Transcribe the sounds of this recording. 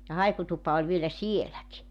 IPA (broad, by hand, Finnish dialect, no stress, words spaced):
jɑ hɑikutupɑ olʲ ʋielæ sielæki